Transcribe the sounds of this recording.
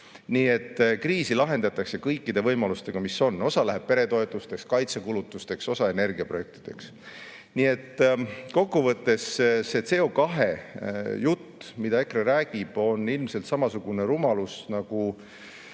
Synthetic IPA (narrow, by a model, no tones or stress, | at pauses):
niːe̞t̪ːkriːsilɑɦe̞nd̪̥ɑt̪ːˑɑkse̞kɤjkːid̪̥e̞vɤjmɑlust̪e̞ɡ̥ɑmiso̞nːo̞sɑlæɦeb̥̚pe̞ɾe̞t̪o̞e̞t̪ˑust̪e̞kskɑjt̪sekulut̪ːˑust̪e̞kso̞sɑe̞ne̞rɡ̥iɑprojek̚t̪id̪̥e̞̰ks | nie̞t̪ːko̞kːuvɤt̪ːe̞sse̞t̪se̞o̞kɑɦe̞jut̪ːmid̪̥ɑe̞kɾrɑɾæːɡ̥ib̥o̞nːilmse̞lt̪sɑmɑsuɡ̥une̞ɾumɑlusnɑɡ̥u